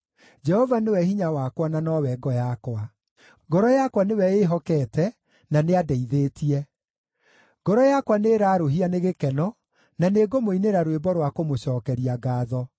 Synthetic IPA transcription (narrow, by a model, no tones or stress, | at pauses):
d͡ʒɛhɔvanewɛhiɲawakwananɔwɛɡɔjakwa | ɡɔɾɔjakwanewɛeɦɔkɛtɛ | naneadɛiðeːtiɛ | ɡ̥ɔɾɔjakwaneɾaːɾoɦianeɣekɛnɔ | naneɡomoineɾaɾwebɔɾwakomoɕɔːkɛɾiaɡaːðɔ